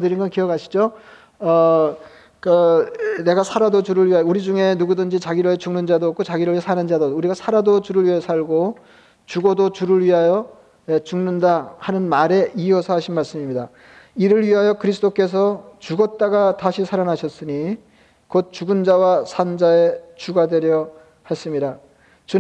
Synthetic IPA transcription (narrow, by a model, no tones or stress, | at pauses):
dɯɾinŋɡʌnkijʌkʰaɕʰi̥d͡ʑo | ʌ | kane̞ɡasʰaɾadot͡ɕuɾɯɭɥiɦajʌuɾid͡ʑuŋe̞nuɡudɯnd͡ʑit͡ɕaɡiɾot͡ɕuŋnɯnd͡ʑadok͈ʰot͡ɕaɡiɾɯɭɥiasʰanɯnd͡ʑadouɾiɡasʰaɾadot͡ɕuɾɯɭɥiejʌsʰaɭɡo | t͡ɕuɡodot͡ɕuɾɯɭɥiɦajʌ | et͡ɕuŋnɯndahanɯnmaɾe̞ʔiʌsʰʌɦaɕʰinmaɭs͈ɯmimɲida | iɾɯɭɥiɦajʌkɯɾisʰɯ̥t͈ʰok͈e̞s̬ʰʌt͡ɕuɡʌt̚t͈aɡataɕʰisʰaɾanɦaɕʰʌs͈ɯɲi | kot̚t͡ɕuɡɯnd͡ʑawasʰand͡ʑae̞t͡ɕuɡadwe̞ɾjʌ | has͈ɯmɲida | t͡ɕu